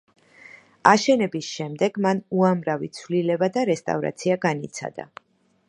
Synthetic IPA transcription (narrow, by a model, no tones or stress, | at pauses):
aʃɛnɛbisʃɛmd̪ɛɡmanuamɾavit̪sʰvlilɛbad̪aɾɛst̪ʼa̰vɾa̰t̪sʰiaɡanit̪sʰa̰d̪a̰